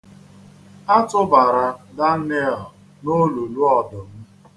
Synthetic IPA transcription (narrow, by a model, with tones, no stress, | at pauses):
a˦tʊ˦ba˨ɾa˨da˦n˦e˦ɛ˨l | no˦lo˨lu˦ɔ˨dʊ˨m̩˦